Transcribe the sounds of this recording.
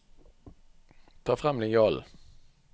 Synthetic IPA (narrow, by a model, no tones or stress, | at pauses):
t̪ʰɑːfʁɑmlɪɑːl